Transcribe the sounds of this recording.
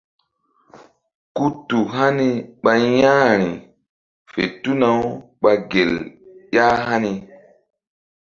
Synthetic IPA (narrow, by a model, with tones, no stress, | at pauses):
ku˦tu˨ɦa˦ni˦ɓa˧jã˦ɾi˨ | fḛ˨tu˦na˨˦w | ɓa˧ɡe˨ljaː˦ɦa˦ni˨